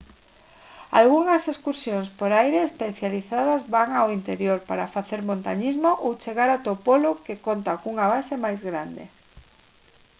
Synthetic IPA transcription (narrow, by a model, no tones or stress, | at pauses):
a̰lɣuŋɐseskuɾsjoŋspoɾajɾeːspeθjaliθað̞ɐzβaŋawint̪eɾjoɾpaɾafaθeɾmõnt̪aɲizmoʔowt͡ʃeɣaɾat̪opolʊkekont̪akuŋaβasemajzɣɾand̪ḛ